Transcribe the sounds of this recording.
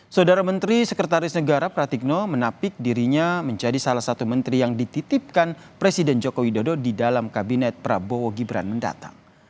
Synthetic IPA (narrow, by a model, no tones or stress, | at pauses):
saudaɾamənt̪ɾisəkɾət̪aɾɪsnəɡaɾapɾat̪ik̚nɔmənapɪk̚diɾiɲaməɲd͡ʒadisalahsat̪umənt̪ɾijaŋdit̪it̪ip̚kan | pɾesidɛnd͡ʒokowidododidalamkabinɛt̪̚pɾabooɡibɾa̰nmənda̰t̪a̰ŋ